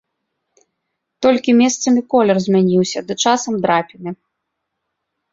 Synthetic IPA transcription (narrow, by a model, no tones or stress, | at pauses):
t̪ɔlʲkʲimʲɛst̪sɐmʲikɔlʲɛrzʲmʲanʲiwsʲɐd̪ɨt͡ʂasɐmd̪ɾapʲinɨ